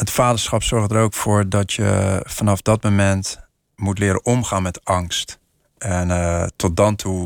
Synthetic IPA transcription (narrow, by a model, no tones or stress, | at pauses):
ətfaːdəɹsχɑpsɔɹχdəɾowkfoːɹdɔtjə̰fɑnɑfdɔt̚momɛnt | mutlɪːɾə̰ʔɔmχaːnmɛtɑŋst | ɛntʰɔt̚dɑntʰu